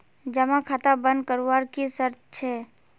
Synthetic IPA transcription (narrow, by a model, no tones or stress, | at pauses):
d͡ʒəmãkʰat̪abə̃nd̪̚kəɾuwaːɾkisəɾt̪̚ʰt͡ʃʰɛː